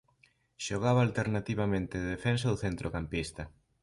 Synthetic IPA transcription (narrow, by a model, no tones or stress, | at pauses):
ʃoɣ̞aβaːlt̪eɾnat̪iβamẽnt̪eðefensɐðoθent̪ɾʔokampist̪ɐ